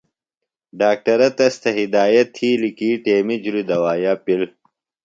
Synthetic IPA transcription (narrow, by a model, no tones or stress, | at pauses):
ɖaːk̚ʈɐɾɐt̪ɐst̪ʰɐɦid̪aːjɐt̪ʰːiːlikiːʈeːmid͡ʑuɾid̪ɐwaːjapil